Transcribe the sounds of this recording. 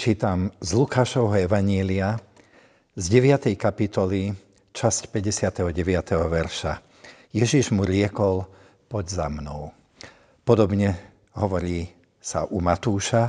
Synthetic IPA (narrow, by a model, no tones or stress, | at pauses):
t͡ʃiːt̪amzlukaːʃɔʊɦɔɛʋaɲɪɛlia | zɟɛʋɪat̪ɛjkapit̪ɔli | t͡ʃascpɛɟɛsɪat̪ɛɦɔɟɛʋɪat̪ɛɦɔʋɛɾʃa | jɛʒiʒmuɾɪɛkɔl | pɔd̪za̰mnɔ̰ʊ | pɔd̪ɔbɲɛ | ɦɔʋɔɾiː | sa̰ʔumat̪uːʃa